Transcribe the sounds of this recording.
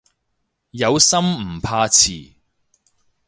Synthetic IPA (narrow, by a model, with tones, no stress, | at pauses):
jɐ˨˧wsɐ˥m̩˨˩pʰaː˧t͡sʰiː˨˩